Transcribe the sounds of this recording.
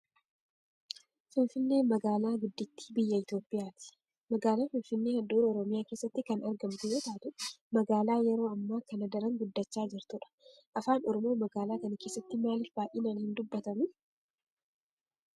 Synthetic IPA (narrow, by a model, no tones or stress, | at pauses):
fɪnfɪnːe̞ːnmɐɡaːlaːɡʊd̪ːɪt̪ːi̥ːbɪjːɐɪt̪jo̞ːpʼːɪjaːt̪ɪ̥ | mɐɡaːlaːfɪnfɪnːeːhɐd̪uːɾɔɾɔmɪjaːke̞ːsːɐt̪ːɪkɐnɐɾɡɐmt̪ɪjoːt̪aːt̪ʊmɐɡaːlaːjɛɾo̞ːɐmːaːkɐnɐd̪ɐɾɐŋɡʊd̪ːɐt͡ʃːaːd͡ʒɪɾt̪ʊᶑɐ̥ʔɐfaːnɔɾɔmoːmɐɡaːlaːkɐnɐkeːsːɐt̪ːɪmaːlɪfbaːʔiːnaːnhɪnd̪ʊbːɐt̪ɐmʊ